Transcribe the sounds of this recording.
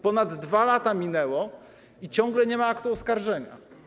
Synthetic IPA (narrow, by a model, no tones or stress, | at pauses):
pɔnad̪ːvalat̪amʲinɛwɔ | it͡ɕɔ̃ŋɡlɛɲɛmaakt̪uɔskaɾʐɛɲa̰